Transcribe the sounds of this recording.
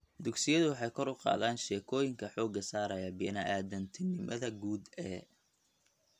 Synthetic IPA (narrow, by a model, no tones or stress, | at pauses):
d̪ʊɡsɪjɐðʊwɑħɑjkʰɔɾʊqɑ̰ːðaːnʃɛːkʰɔːjɪŋkʰɐħɔːɡɐsaːɾɐjɐbɛnɐʔaːd̪ɐnt̪ʰɪnɪmɐðɐɡuːd̪ɛ